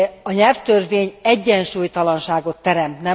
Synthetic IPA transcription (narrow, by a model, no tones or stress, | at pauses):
ɒɲɛlft̪ørveːɲɛɟːɛnʃuːjt̪ɒlɒnʃaːɡo̞t̪ːɛɾɛmt̪nɛ